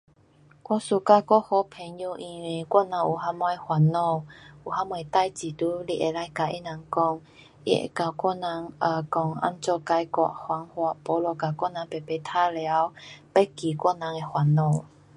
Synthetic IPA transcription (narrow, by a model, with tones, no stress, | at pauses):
kʷwɔ˧˨su˨ka˧kɔ˥˦hɔ˧˦pʰɛ˨˩njũ˧ʔĩ˧˩e˨˩kwa˥˨nã˨˦ŋʔu˨˩ha˦mɔ˧˦e˧hwa˨˩nːɔ˧˨u˨ɦa˧˦m˧ɛ˧˨˩t̪a˥˧˨jt͡ɕi˨˩t̪u˧˦li˦˧ʔe˨˩la˧˦jka˨˩ʔe˦˨nã˨˦ŋkɔ˥˧˨ŋ | ḭ˦ḛ˨ka˧˩wkwa˥˨na˨˧˦ŋə˨˩kɔ˨˩ŋa̰˧˦nt͡sɔ˧ka˧jkwa̰˨ʔhwa˨˦ŋhwa˨pɔ˨˦lɔ˨ka˨˩kwa˥na˨˦ŋpe˨˩pe˨˦t̪ʰa˦lja˨˦wpe˦ki˨kwa˥˦nã˨˦ŋe˨hwa˨˩nːɔ˥˧˨